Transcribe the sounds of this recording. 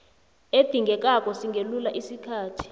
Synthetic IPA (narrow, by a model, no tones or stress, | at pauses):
ed̪̥ʱiŋɡʱɛk̬ʼak̬ʼɔsiŋɡʱelulaʔisikʰaːtʰi̥